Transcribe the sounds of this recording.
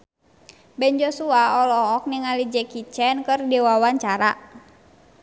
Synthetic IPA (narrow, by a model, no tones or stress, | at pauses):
bɛnd͡ʒosuaɔlɔːk̚niŋalid͡ʒɛkit͡ʃɛnkərdiwawaɲt͡ʃaɾa